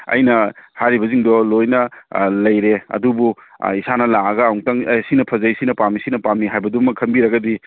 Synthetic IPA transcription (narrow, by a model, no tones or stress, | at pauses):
ɐ̰jnɐhaɾibɐziŋdɔlojnɐlɐjɾeɐ̰dubu | isanɐlaɐɡɐwŋtɐŋsinɐpʰɐzajsinɐpamisinɐpamiɦajbɐdumɐkʰɐmbiɾɐɡɐdi